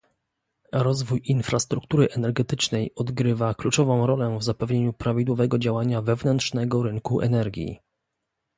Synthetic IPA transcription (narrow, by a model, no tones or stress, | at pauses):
ɾɔzvujinfɾast̪ɾuk̚t̪uɾɘʔɛnɛɾɡɛt̪ɘt͡ʂnɛjɔd̪ɡɾɘvaklut͡ʂɔvɔ̃w̃ɾɔlɛvzapɛvɲeɲupɾavʲid̪wɔvɛɡɔd͡ʑawaɲavɛvnɛnt̪ʂnɛɡɔɾɘŋkuʔɛ̰nɛɾɡʲjḭ